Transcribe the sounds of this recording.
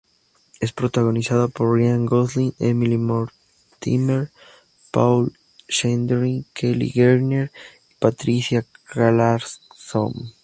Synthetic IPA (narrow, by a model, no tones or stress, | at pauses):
e̞spɾot̪aɣo̞nisaðopo̞ɾːjaŋɡoslinemilimoɾ | t̪ḭmeɾ | pawl | ʃend̪ɾiŋkʰelḭɣeɾneɾ | ipat̪ɾisjakalaɾso̰m